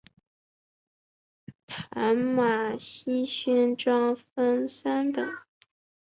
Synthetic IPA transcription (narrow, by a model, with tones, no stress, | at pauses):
t̪ʰa˧˥nma˨˩ɕi˥ɕy˥nʈ͡ʂwɑ˥ŋfə˥nsa˥nt̪ɤ˨˩˦ŋ